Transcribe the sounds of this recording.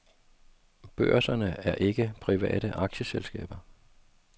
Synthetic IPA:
b̥ɶɐ̰sɐnəæɐʔe̝ɡ̥əpʰʁiʋɛ̰ːɾ̥əʔɑ̈ɡ̥ɕəselsɡ̥ɛ̰ːb̥ɐ

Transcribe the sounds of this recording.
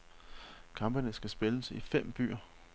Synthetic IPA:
kʰɑ̈mb̥ənəsɡ̥æsb̥e̝ləsifem̰b̥y̰ːɐ

